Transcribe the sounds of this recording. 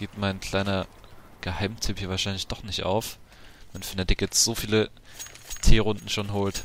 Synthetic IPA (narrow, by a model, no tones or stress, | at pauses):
ɡ̥iːp̚tmaɪnkʰl̥aɪnɐ | ɡ̥əhaɪmtʰyːphiːɐvaɐʃaɪnlɪçd̥ɔχnɪçtʔa̰ʊf | mɛnfyɐndɛdɪkɛt͡sz̥oːfiːlə | tʰeːʁʊndn̩ʃoːnɦoːlt